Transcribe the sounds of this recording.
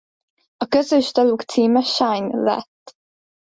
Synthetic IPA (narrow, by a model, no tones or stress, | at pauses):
ɒkøzøʃt̪ɒlukt̪siːmɛʃajnlɛ̰t̪ː